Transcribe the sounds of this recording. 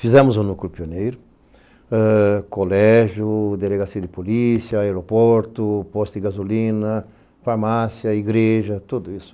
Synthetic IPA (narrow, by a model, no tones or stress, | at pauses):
fizɛ̃mʊzũnuklʊpionejɾʊ | ɛkolɛʒʊd̪eleɡasiɐd̪ɪpolisjɐaeɾopɔɾt̪ʊpɔst̪d̪ɪɡazolĩnɐ | faɾmasjɐiɡɾeʒɐt̪ud̪ʊisʊ̥